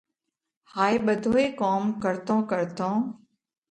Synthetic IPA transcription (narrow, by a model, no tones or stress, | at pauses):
haːeːɓəd̪ʱoːeːkoːmkəɾt̪õːkəɾt̪õː